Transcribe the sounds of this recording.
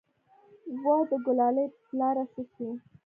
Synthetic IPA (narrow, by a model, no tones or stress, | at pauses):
wɑd̪əɡʊlɑləjplɑɾasəki